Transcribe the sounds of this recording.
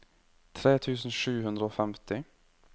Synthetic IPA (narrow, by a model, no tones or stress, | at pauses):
t̪ʰɾeːt̪ʰʉːsn̩ʂʉːhʉnd̪ɾəoːfɛmt̪ɪ